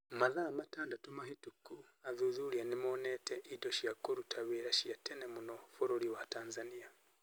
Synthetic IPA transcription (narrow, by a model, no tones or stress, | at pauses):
maðaːmataːndatumaɦituku | aðuðuɾianimoneteʔidoʃiakoɾutʰaβeɾaʃiatenemunofoɾoɾiwataːnzania